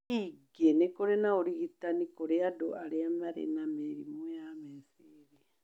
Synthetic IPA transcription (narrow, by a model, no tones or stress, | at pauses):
iɡenekoɾenaoɾiɣit̪anikoɾeado̰ʔaɾeamaɾḛnameɾḭmujamesi | ɾi